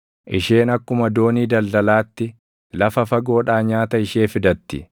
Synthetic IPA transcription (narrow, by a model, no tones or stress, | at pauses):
ʔɪʃe̞ːnɐkːʊmɐd̪o̞ːniːd̪ɐld̪ɐlaːt̪ːɪ | lɐfɐfɐɡo̞ːᶑaːɲaːt̪ɐɪʃeːfɪd̪ɐt̪ːɪ